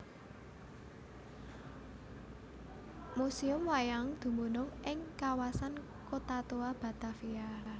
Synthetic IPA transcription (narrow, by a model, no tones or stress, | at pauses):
musiʊmwajaŋd̪̥ṳmonʊŋʔɪŋkawasan | kot̪at̪oab̥a̤t̪afia